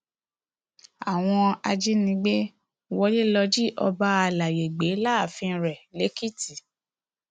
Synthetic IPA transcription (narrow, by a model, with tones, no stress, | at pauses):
a˨w̃ɔ̃˧a̰˧d͡ʒi˦nĩ˧˦ɡ͡be˦ | wɔ˧˦li˦lɔ˧d͡ʒi˦ʔɔ̰˧ba˦a˧la˨je˨ɡ͡be˨˦la˦˨fĩ˧˨˧ɾɛ˨le˨˦ki˦˨ti˨